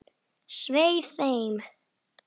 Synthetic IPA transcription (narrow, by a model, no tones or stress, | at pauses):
sweɪfẽɪ̃m